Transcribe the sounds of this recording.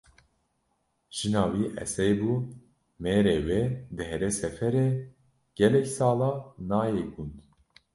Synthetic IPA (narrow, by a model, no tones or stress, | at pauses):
ʒ̥ɨnɑːwiːʔɛ̰sɛjbuː | meːɾeːweːd̪ɨɦɛɾesɛfɛɾeː | ɡ̥ɛlɛksɑːlɑːnɑːjeːɡund̪